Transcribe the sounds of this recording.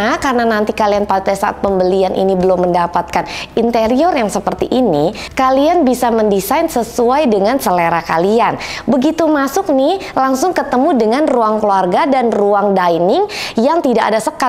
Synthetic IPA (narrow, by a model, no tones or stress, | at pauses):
akarənanant̪ikalianpat̪ajsaʔa̰t̪̚pəmbəlianʔḭnibəlɔmːəndapat̪̚kanint̪eɾiɔrjaŋsəpərt̪iʔini | kalianbisaməndisajnsəsuajdəŋansəleɾakalianbəɡit̪umasʊk̚nɪlaŋsʊŋkət̪əmudəŋanruaŋkluarɡadanruaŋdajnɪŋjaŋt̪idaʔa̰dasəka